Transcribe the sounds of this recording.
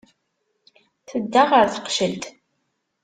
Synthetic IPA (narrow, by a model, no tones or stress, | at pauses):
θəd̪ːaʁəɾθə̥qʃəlt̪